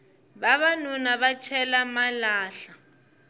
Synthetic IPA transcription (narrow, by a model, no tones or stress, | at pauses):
βaβanunaβat͡ʃʰɛlamalaːɬa